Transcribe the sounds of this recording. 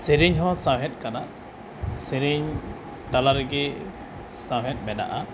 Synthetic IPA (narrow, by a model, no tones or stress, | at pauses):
sɛɾiɲɦɔ̃sãwɦɛt̪̚kana | sɛɾiɲ | t̪alaɾɛɡɛ | sãwɦɛt̪̚mɛna̰ʔa